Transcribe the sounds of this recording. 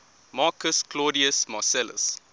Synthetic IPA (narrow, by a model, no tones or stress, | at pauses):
mɑːkəsklɔːɾiəsmasɛlə̰s